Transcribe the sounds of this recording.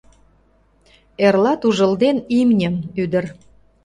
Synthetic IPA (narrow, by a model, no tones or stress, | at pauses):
erlɑt̪uʒə̆ld̪enimnʲəmyd̪ər